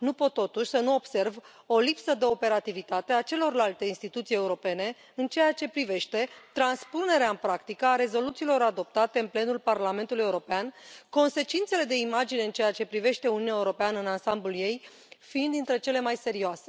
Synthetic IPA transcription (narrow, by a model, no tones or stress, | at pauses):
nupo̞t̪ːo̞t̪uʃʲsənuo̞b̥se̞rv | o̞lipsəd̪e̞o̞pe̞ɾat̪ivit̪at̪e̞at͡ʃe̞lo̞rlalt̪e̞inst̪it̪ut̪sije̞uɾo̞pe̞ne̞ | ɨnt͡ʃe̞jat͡ʃe̞pɾive̞ʃt̪e̞t̪ɾanspune̞ɾeaɨnpɾakt̪ikəaɾe̞zo̞lut̪siːlo̞ɾad̪o̞p̚t̪at̪e̞ɨnple̞nulparlame̞nt̪uluje̞uɾo̞peanko̞nse̞t͡ʃint̪se̞le̞d̪e̞imad͡ʒine̞ɨnt͡ʃe̞jat͡ʃe̞pɾive̞ʃt̪e̞ununaeuɾo̞peanəɨnansamblulje̞j | find̪int̪ɾe̞t͡ʃe̞le̞majse̞ɾioase̞